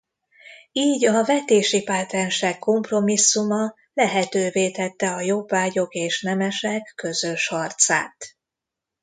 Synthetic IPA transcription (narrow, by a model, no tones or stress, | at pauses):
iːɟɒvɛt̪eːʃipat̪ɛnʃɛkːo̞mpro̞misːumɒ | lɛɦɛt̪øːveːt̪ɛt̪ːɛɒjo̞bːaːɟo̞keːʃnɛmɛʃɛkːø̞zø̞ʃhɒrt̪sa̰ːt̪